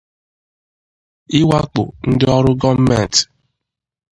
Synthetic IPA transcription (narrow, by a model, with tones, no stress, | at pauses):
ɪ˦wa˦k͡pʊ̰˨n̩˦dɪ˦ɔ˦ɾʊ˦ɡɔ˦m̩˦mɛ˦˨n˨t